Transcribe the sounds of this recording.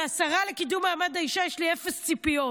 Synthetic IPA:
asaʁalekidumaːmad̪aiʃajɛʃliefest͡sipio

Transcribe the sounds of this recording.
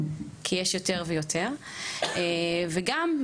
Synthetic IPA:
kʰijɛʃjote̞ʁvejotʰeʁ | eveɡam

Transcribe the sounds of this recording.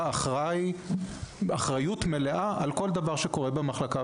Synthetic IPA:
aχʁaj | aχʁajut̪me̞leʔaʔalko̞ld̪avaʁʃeko̞ʁebemaχlaka

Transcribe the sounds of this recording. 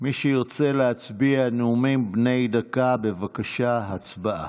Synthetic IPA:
miʃeiʁt͡se̞lehat͡sbianeumimbne̞jdakabe̞vakaʃaɦat͡sbaʔa̰

